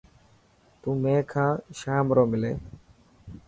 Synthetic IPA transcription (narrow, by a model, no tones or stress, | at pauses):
t̪ũːmẽːkʰãːʃaːmɾoːmɪlḛː